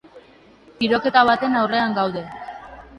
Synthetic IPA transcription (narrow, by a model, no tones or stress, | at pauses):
iɾo̞ke̞t̪aβ̞at̪e̞nawre̞aŋɡawðe̞